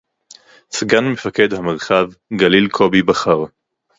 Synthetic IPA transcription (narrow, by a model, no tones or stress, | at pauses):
sɡanme̞fake̞dhameʁχavɡalilkʰo̞bibaχaʁ